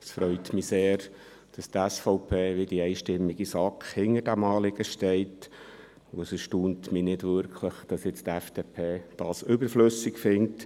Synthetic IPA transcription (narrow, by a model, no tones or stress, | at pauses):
sfɾœʏt̪miseːɾ | d̥ɑstɛsfɔʊpʰeːʋɪd̥iɛɪʃtɪmːiɡisɑkχhɪŋəɾd̥æmɑːlɪɡ̥əʃtɛɪt | ʊəsəʃtuːntminɪdvʏɾkʰləχd̥ɑsjɪt͡st̪ɛfd̥epʰeːd̥ɑːsʏbəɾfløsɪkfɪŋt